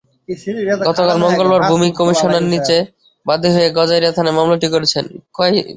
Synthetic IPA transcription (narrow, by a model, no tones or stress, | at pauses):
ɡɔt̪okalmɔŋɡolbaɾbʱumikomiʃoneɾnit͡ɕe | bad̪ʱːiɦoeɡɔd͡ʑajɾat̪ʰanemamlaʈikoɾet͡ɕʰenkɔj